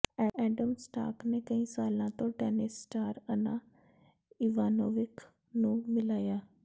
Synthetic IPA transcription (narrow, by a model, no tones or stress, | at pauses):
ɛʔɛːɖəmsʈa̰ːkneːkəĩːsaːlãːt̪õːʈɛːnɪsːʈaːɾənãː | iːʋaːnoːʋɪk | nũːmɪlaːjaː